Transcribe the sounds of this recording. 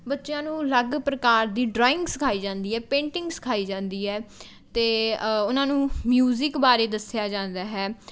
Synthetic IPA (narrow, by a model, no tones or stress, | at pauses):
bətːʃɪjãːnũːləɡpɾəkaːɾd̪iːɖɾaːɪ̃ŋɡskʰaːiːd͡ʒãːnd̪iːɦɛːpẽːɳʈɪ̃ŋɡskʰaːiːd͡ʒãːnd̪iːɦɛː | t̪eːʊnãːnũːmjuːzɪkbaːɾeːd̪əsɪjaːd͡ʒãːnd̪aːɦɛː